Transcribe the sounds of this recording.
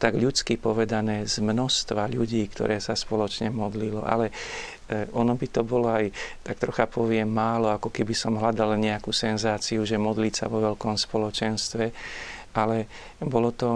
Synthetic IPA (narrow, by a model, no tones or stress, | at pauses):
t̪aɡʎut͡skipɔʋɛd̪anɛːzmnɔst̪ʋaʎuɟiːkt̪ɔ̰ɾɛːsaspɔlɔt͡ʃɲɛmɔd̪lilɔ̰ʔa̰lɛ | ʔɔnɔbit̪ɔbɔlɔajt̪ak̚t̪ɾɔxapɔʋɪɛmːaːlɔakɔkɛbisɔmɦlad̪alɲɛakuːsɛnzaːt͡siuʒɛmɔd̪liːsa̰ʋɔʋɛʎkɔmspɔlɔt͡ʃɛnst̪ʋɛʔalɛ | bɔlɔt̪ɔ